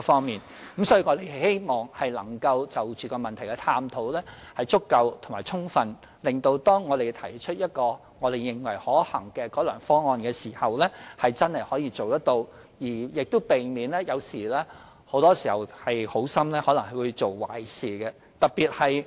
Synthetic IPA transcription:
fɔː˥ŋmiː˨n | m̩˦˥msɔː˨˥jiː˧˩ŋɔː˨˧t̪e˨jhhe˥jmɔː˨ŋhɐ˨jlɐ̰˨˩ŋkɐ˧wt͡sɐ˨wt͡ʃyː˨˩kɔː˧mɐ˨nt̪ʰɐ˨˩jkɛ˧t̪ʰaː˧mt̪ʰo˨˥wlɛː˥ | hɐ˨jt͡sʊ˥kːɐ˧wt̪ʰʊ˨˩ŋmaː˨˩jt͡sʰʊ˥ŋfɐ˧n | lɪ˨ŋt̪o˧wt̪ɔː˥ŋːɔː˨˧ɾe˨˩jt̪ʰɐ˨˩jt͡ʃʰɵ˥t̚jɐ˥t̚kɔː˧ | ŋɔː˨˧ɾe˨jːɪ˨ŋwɐ˨˩jhɔː˨˥hɐ˨˩ŋkɛː˧kɔː˨˥lœ̰ː˨˩ŋfɔː˥ŋːɔː˧nkɛː˧siː˨˩hɐ˨wlɛ˥hɐ˨jt͡sɐ˥nhɐ˨jhɔː˨˥jiː˧t͡so˨wt̪ɐ˥t̚t̪o˧w | jiː˨˩jɪ˨k̚t̪o˥wpe˨jmiː˨nlɛː˥jɐ˨˧wsiː˨˩lɛː˥ | ho˨˥wt̪ɔː˥siː˨˩hɐ˨˩whɐ˨jho˨˥wsɐ˥mlɛː˥hɔː˨˥lɐ˨˩ŋɦɐ˨˩jwuː˨˧jt͡so˨wwa̰ː˨˩jsiː˨˩kɛ˧ | t̪ɐ˨k̚piː˨t̚hɐ˨j

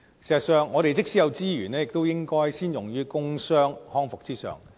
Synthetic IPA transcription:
si˨˩sɐ˨˩t̚sœː˨˧ŋːɔː˨˧ɾe˨jt͡sɪ˥k̚siː˥jɐ˨˧wt͡siː˥jyː˨˩nɛː˥jɪ˨k̚t̪o˥wjɪ˥ŋkɔː˥jsiː˥njʊ˨˩ŋjyː˥kʊ˥ŋsœː˥ŋhɔː˥ŋfʊ˨k̚t͡siː˥sœ̰ː˨˩ŋ

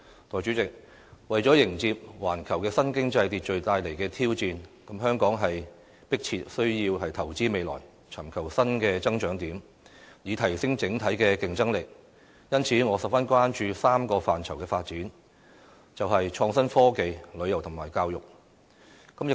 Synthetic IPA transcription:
t̪ʰɔː˨jt͡ʃy˨˧˥t͡sɪ˨k̚ | wɐ˨jt͡ʃɔ˨˥jɪ˨˩ŋt͡siː˧p̚waː˨˩nkʰɐ˨˩wkɛː˧sɐ˥nkɪ˥ŋt͡sɐ˧jt̪iː˧t̚t͡ʃɵ˨ɥt̪aː˧jle˨˩jkɛː˧t̪ʰiː˥wt͡siː˧nkɐ˨˥mɦœː˥ŋkɔː˨˥ŋɦɐ˨j | pɪ˥k̚t͡sʰiː˧t̚sɵ˥ɥjiː˧wɦɐ˨jt̪ʰɐ˨˩wt͡siː˥me˨˧jlɔ̰ː˨˩j | t͡sʰɐ˨˩mkʰɐ˨˩wsɐ˥nkɛː˧t͡sɐ˥ŋt͡ʃœː˨˥ŋt̪iː˨˥m | jiː˨˧t̪ʰɐ˨˩jsɪ˥ŋt͡sɪ˨˥ŋt̪ʰɐ˨˥jkɛː˧kɪ˨ŋt͡sɐ˥ŋlɪ˨˩k̚ | jɐ˥nt͡sʰiː˨˥ŋɔː˨˧sɐ˨p̚fɐ˥nkʷwaː˥nt͡ʃyː˧saː˥mkɔː˧faː˨nʰɐ˨˩wkɛː˧faː˧t̚t͡siː˨˥n | t͡sɐ˨wɦɐ˨jt͡ʃʰɔː˧ŋsɐ˥nfɔː˥ke˨˧jlɵ˨˧ɥjɐ˨˩wt̪ʰʊ˨˩ŋmaː˨˩jkaː˧wjʊ˨k̚ | kɐ˨˥mjɪ˨

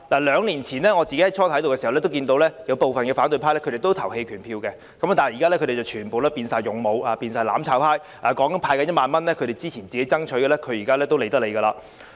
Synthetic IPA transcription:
laː˨˩lœː˨˧ŋliː˨˩nt͡sʰiː˨˩nlɛː˥ŋɔː˨˧t͡si˨ke˥hɐ˨˦jt͡ʃʰɔː˥t̪ʰɐ˨˥t̪o˨wɛ˧swlɛ˥t̪̬wkiː˧nt̪o˨˧wlɛː˥jɐ˨˧wpo˨wfɐ˨nkɛː˧faː˨˥nt̪ɵ˨ɥpʰa˥lɛ˥kʰɵ˧ɾe˨jt̪o˥wt̪ʰɐ˨˩whe˧jkʰyː˨˩npʰiː˧wkɛ˧ | kɐ˨˥m˥˨t̪aː˨˩˨jiː˨˩a˥lɛ˥kʰɵ˧ɾte˨˩t͡sːɐ˨˩wt͡ʃʰyː˨˩npo˨˧wlaː˥piː˧nsaː˨jʊ˨˩ŋmo˨˧waː˨˧piː˧nsaː˨jlaː˨˥mt͡sʰaː˨˥wpʰaː˥j | ʔaː˨˩kɔː˨˥ŋkɐ˨˥npʰaː˧jkaɐ˧˥jtmaː˨nmɐ˥nlɛː˥kʰɵ˨˧ɾe˨jt͡siː˥t͡sʰiː˨˩nt͡siː˨ke˨˥jt͡sɐ˥ŋt͡ʃʰɵ˨˧˥jɡɛː˨˧lɛ˥kʰɵ˨˧ɥjiː˨˩kaː˥lɛː˥t̪o˥wle˨jt̪ɐ˥k̚le˨˧kɐː˧laː˧

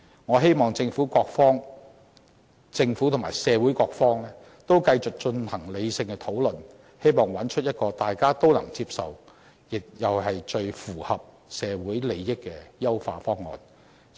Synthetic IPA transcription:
ŋɔː˨˧ɦe˥jmɔː˨˩ŋt͡sɪ˧ŋfuː˨˥kɔː˧k̚fɔː˥ŋ | t͡sɪ˧ŋfuː˨˥t̪ʰʊ˨˩ŋmaː˨˩jsɛː˨˧wuː˨˥jkɔː˧k̚fɔː˥ŋlɛː˥ | t̪o˥wkɐ˧jt͡sʊ˨k̚t͡ʃɵ˧nhɐ˨˩ŋle˨˧jsɪ˧ŋkɛ˧t̪ʰo˨˥wlɵ˨n | he˥jmɔː˨ŋwɐ˨˥nt͡ʃʰɵ˥t̚jɐ˥t̚kɔː˧t̪aː˨jkaː˥t̪o˥wlɐ˨˩ŋt͡siː˧p̚sɐ̰˨w | jɪ˨k̚jɐ˨wɦɐ˨jt͡ʃɵ˧ɥfuː˨˩hɐ˨p̚ | sɛː˨˧wuː˨˥jle˨jːɪ˥kːɛː˧jɐ˥wfa̰ː˧fɔː˥ŋːɔ̰ː˨˩n

